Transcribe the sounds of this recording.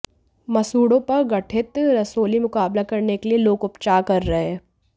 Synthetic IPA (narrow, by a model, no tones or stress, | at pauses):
mɐsuːɽõpɐɾɡɐʈʰɪt̪ɾɐsoːlimʊkaːblakɐɾnekelieloːɡʊpt͡ʃaːkɐɾːɐɦẽː